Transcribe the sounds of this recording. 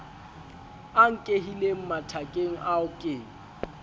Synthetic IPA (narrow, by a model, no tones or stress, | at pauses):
aŋ̩kʼeɦilem̩matʰakʼeŋ̩ʔaʊkʼeːŋ̩